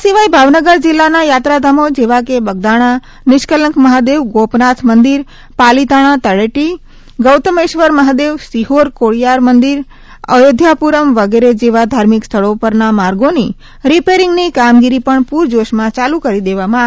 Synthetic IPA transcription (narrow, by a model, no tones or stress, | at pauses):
siʋajbʱaʋnəɡəɾd͡ʒilːanajat̪ɾad̪ʱamod͡ʒeʋakebəɡ̚d̪aɽ̃a | nɪʃkələŋkməɦad̪eʋɡopnat̪ʰmənd̪iɾ | palit̪aɽ̃ãt̪əɭeʈi | ɡəwt̪əmeʃʋəɾməɦad̪eʋsiɦoɾkoɭijaɾmənd̪iɾ | əjod̪ʱjapuɾəmʋəɡeɾed͡ʒeʋad̪ʱaɾmikst̪ʰəɭopəɾnamaɾɡoni | ɾipeɾiŋɡnikamɡiɾipəɳpuɾd͡ʒoʃmãt͡ʃalukəɾid̪eʋamã